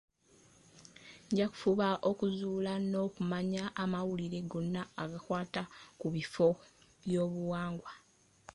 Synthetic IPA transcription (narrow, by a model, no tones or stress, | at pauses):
ɲɟaku̥fuβaʔokuzuːlano̞ːkumaɲaʔːmawuliɾe̞ɡo̞nːaːɡakwaːtakuβifo̞ | βjo̞ːβuwaːŋɡwa